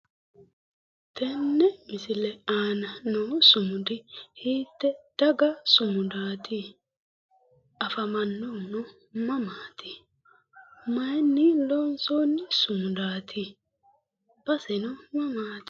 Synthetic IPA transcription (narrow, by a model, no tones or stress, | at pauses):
t̪ɛnːɛmɪsɪlɛaːnɐnoːsʊmʊd̪ɪhiːt̪ːɛd̪̥ɐɡɐsʊmʊd̪aːt̪i | ɐfɐmɐnːonɔ | mɐmaːt̪ɪ̥ | mɐjnːɪlɔnsoːnːɪsʊmʊd̪aːt̪ʰɪ | b̥ɐsɛnɔmɐmaːt̪ɪ̥